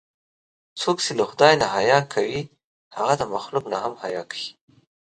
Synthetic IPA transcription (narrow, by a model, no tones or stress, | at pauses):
t͡sokt͡ʃelaxʊd̪ɑjnaɦajɑkʰawi | haɣad̪əmaxluknaɦamhajɑkʰḁji